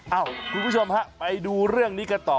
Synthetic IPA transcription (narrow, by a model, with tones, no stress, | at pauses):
ʔaː˧˩wkkʰuː˧npʰu˥˩t͡ɕʰo˧mha˦˥pa˧jduː˧ɾɯ˥˩əŋniː˦˥ka˧t̪ɔː˨˩